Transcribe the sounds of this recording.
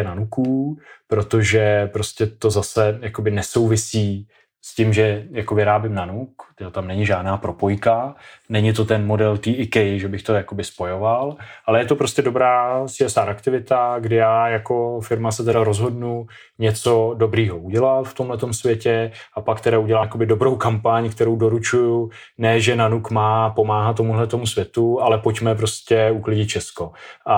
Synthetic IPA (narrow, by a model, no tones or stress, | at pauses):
nanukupɾo̞t̪o̞ʒɛpɾo̞scɛt̪o̞zasɛjako̞bɪnɛso̞wvɪsiː | scɪmʒɛjako̞vɪɾaːbjɪmnanukt̪ɪot̪amnɛɲɪʒaːdnaːpɾo̞po̞jkanɛɲɪt̪o̞t̪ɛnmo̞dɛlt̪iːʔɪkɛjʒɛbɪxt̪o̞jakobɪspo̞jo̞valʔalɛjɛt̪o̞pɾo̞scɛdobɾaːsɪɛsaːʔakt̪ɪvɪt̪aɡdɪjaːjako̞fɪɾmasɛt̪ɛɾaɾo̞zɦo̞dnu | ɲɛt͡so̞do̞bɾiːɦo̞ʔuɟɛlalft̪o̞mɦlɛt̪o̞msvjɛcɛʔapakt̪ɛɾauɟɛlaːko̞bɪdo̞bɾo̞wkampaɲkt̪ɛɾo̞wdoɾut͡ʃuju | nɛːʒɛnanukmaːpo̞maːɦat̪t̪ːomuɦlɛt̪o̞musvʲjɛt̪ualɛpo̞cmɛp̬ɾo̞scɛuklɪɟɪt̪̚t͡ʃɛsko̞ʔa